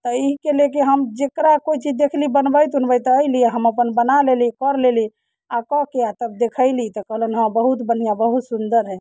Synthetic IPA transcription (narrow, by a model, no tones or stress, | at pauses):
t̪əiɦkelekeɦəmd͡ʒekɾakoit͡ʃid͡ʒd̪ekʰlibənbəjt̪unbəjt̪əɪliaɦəməpənbənalelikɔɾleli | akɔkeat̪əbd̪ekʰəɪlit̪ɔkəɦlənɦə̃mbəɦut̪bən̤ijãbəɦut̪sund̪əɾɦɛ̃